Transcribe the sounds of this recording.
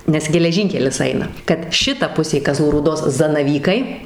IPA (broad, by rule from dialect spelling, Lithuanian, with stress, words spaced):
nʲɛs ɡʲɛlʲɛˈʒʲiːŋʲkʲɛlʲɪs ˈɐɪnɐ kɐt ˈʃʲɪtɐ ˈpʊsʲeː kɐˈzlˠuː ruːˈdoːs zɐnɐˈʋʲiːkɐɪ